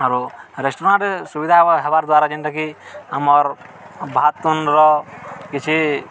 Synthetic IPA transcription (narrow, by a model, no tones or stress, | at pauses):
aɾuɾesʈoɾãɳʈsubid̪ʱaɦebaɾd̪waɾad͡ʒinʈ̪akiamɔɾ | bʱat̪unɾɔkit͡ʃʰi